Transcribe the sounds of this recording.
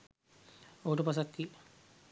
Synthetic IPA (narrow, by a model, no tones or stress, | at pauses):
oʈupasakːi